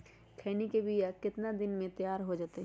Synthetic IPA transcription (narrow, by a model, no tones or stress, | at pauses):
kʰeːnikebijakɪt̪nad̪ɪnmẽt̪jaːɾɦod͡ʒaːt̪eɦ